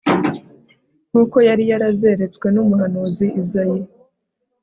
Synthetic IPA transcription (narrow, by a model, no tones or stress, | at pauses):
n̥uːko̞jaɾijaɾaze̞ɾe̞t͡skwe̞numuɦanuziʔːzaje